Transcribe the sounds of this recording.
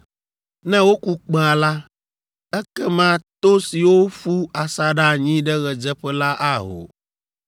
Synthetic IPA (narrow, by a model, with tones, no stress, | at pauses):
nɛ̃˦wo˦ku˦k͡pe˦a˨la˦ | ɛ˦kɛ˦mã˦t̪o˦si˨wo˦ɸu˦a˨sa˦ɖa˦ɲĩ˦ɖɛ˦ɣɛ˨d͡ʒɛ˦ɸɛ˦la˦ʔa˦ɦo̰˨